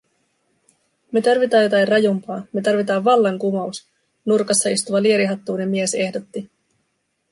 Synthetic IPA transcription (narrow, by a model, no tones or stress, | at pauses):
me̞t̪ɑrʋit̪ɑːjo̞t̪ɑirɑjumpɑːme̞t̪ɑrʋit̪ɑːʋːɑlːɑŋkumɑus | nurkɑsːɑist̪uʋɑlie̞ɾiɦɑt̪ːuːne̞mːiese̞hdo̞t̪ːi